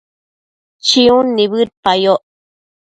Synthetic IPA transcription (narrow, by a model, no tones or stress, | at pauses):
t͡ʃiũnːiβɨɾpajoʔ